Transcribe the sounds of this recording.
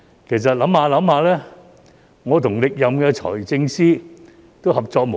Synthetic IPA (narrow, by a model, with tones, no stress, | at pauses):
kʰe˨˩js̬ɐ˨t̚lɐ˨˥mhaː˧lɐ˨˥mhaː˧lɛː˥ | ŋɔː˨˧t̪ʰʊ˨˩ŋlɪ˨k̚jɐ˨mkɛː˧t͡ʃʰɔ̰ː˨˩jt͡sɪ˧ŋsiː˥ | t̪o˥whɐ˨p̚t͡sɔː˧k̚mo˨